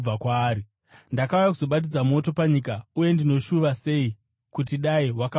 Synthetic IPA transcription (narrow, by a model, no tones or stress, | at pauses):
akwaːɾi | ndakaujakuzo̞ɓat̬id͡zamo̞to̞paɲikauje̞ndino̞ʃuʋase̞i | kutiɗaiwaka